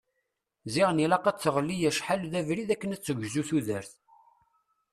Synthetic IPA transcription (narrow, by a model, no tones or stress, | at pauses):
ziʁnilɑqɑt͡sːəʁəlːijæʃħalðævɾiðækːənæt͡sːəɡʷzuθuðəɾθ